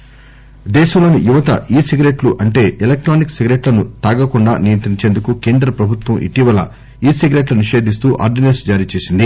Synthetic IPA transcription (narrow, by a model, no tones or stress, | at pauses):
d̪ɛːʃɐmlo̞ːnijuʋɐt̪ɐ̰ʔiːsiɡɾeʈluʔɐɳʈe̞ːʔelek̚ʈɾaːnikseɡɾe̞ʈlɐnut̪aːɡɐkuɳɖaːnijɐnt̪ɾiɲt͡ʃeːnd̪ukuke̞ːnd̪ɾɐpɾɐbʱut̪ʋɐmʔḭʈiʋɐlɐ̰ | iːseɡɾeʈluniʃe̞ːd̪ʱist̪uːʔa̰ːɾɖinensd͡ʒaːɾiːt͡ʃe̞ːsind̪i